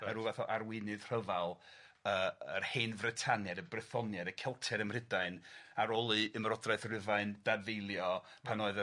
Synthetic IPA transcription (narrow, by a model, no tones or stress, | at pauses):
aruːvaθɔʔarwɪnɨðr̥əvalˠ | əːərheːnvrɨtʰanjadəbrɛθɔnjadəkʰɛlˠtʰɛɾəmr̥ɪdaɨnaɾɔlˠɨəmɾɔdraɨθrɪvaɨnd̥avejlˠjɔpʰanoːɨðə